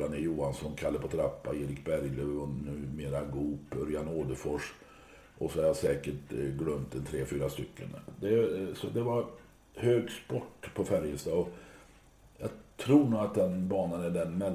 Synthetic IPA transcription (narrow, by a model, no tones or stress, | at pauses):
anɛjuːansɔnkʰalːəɾpʰɔt̪ʰɾapːa̰eːɾɪkbæɾjløɔnʉ̟ːmeːɾaɡuːpːœɾjanoːd̪əfɔʂ | ʔɔsɔhaɾjasɛːkəʈɡlœmt̪ɛnt̪ʰɾeːfyːɾast̪ʏkʰːə̰nd̪ɛsɔd̪ɛvaɾ | høːɡspɔʈːpʰɔfæɾjəst̪ɑːɔ | jɑt̪ʰɾuːɳuːɡat̪̚d̪ɛnbɑːnənæɖɛnmɛ